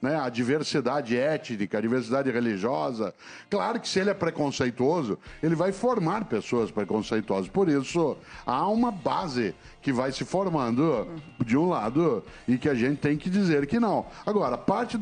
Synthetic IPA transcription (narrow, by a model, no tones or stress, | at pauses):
nɛad͡ʒiveɾsid̪ad͡ʒɪɛt͡ʃnikɐːd͡ʒiveɾsid̪ad͡ʒɪheliʒiɔzɐ̰ | klaɾʊkɪ̥sɪelɪɛpɾekõsejt̪uozʊelɪvajfoɾmaɾpesoɐspɾekõsejt̪uɔzɐspoɾisʊaũmɐbazɪ | kɪvajsɪfoɾmɐ̃nd̪ʊd͡ʒɪũlad̪ʊ | ɪkɪaʒẽnt͡ʃɪ̥t̪ẽj̃kɪd͡ʒizeɾkɪnɐ̃w̃aɡɔɾɐpaɾt͡ʃɪ